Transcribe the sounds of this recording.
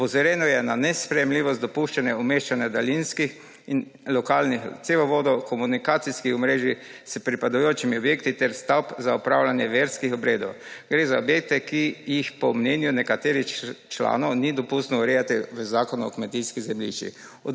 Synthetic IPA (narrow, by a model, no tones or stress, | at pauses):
ɔpɔzɔɾɛnɔjɛnanɛspɾɛjɛmliːʋɔst̪d̪ɔpuʃt͡ʃanɛɔmeːʃt͡ʃanjɛd̪alinskix | in | lɔkaːlnixt̪seːʋɔʋoːd̪ɔkʰɔmunikaːt̪siskixɔmɾeːʒispɾipad̪ɔjoːt͡ʃimiɔbjeːkt̪it̪ɛɾst̪awpzaupɾawlanjɛʋeɾskixɔbɾeːd̪ɔwɡ̥ɾeːzaɔbjeːk̚t̪ɛkijixpɔmnɛːnjunɛkat̪eːɾixt͡ʃla̰ːnɔwnid̪ɔpust̪nɔuɾɛjat̪iʋəzaːkɔnuɔ̰kmɛt̪iskizɛmlḭʃt͡ʃḭ | ɔ